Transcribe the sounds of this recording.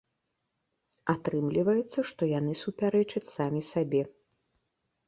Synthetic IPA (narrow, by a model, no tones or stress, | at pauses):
at̪ɾɨmlʲivɐjut̪sːɐʂt̪ɔjan̪ɨsupʲaɾɛt͡ʂɐt͡sʲsamʲisabʲɛ